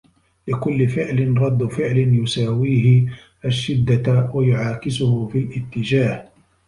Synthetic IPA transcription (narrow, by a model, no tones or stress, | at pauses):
lɪkʊlːɪfɪʕlɪnɾˤɑd̪ːʊfɪʕlɪnjʊsaːwiːɦɪ | ʔaʃːɪd̪ːawajʊʕaːkɪsʊhʊfilʔɪt̪ːɪd͡ʒaːh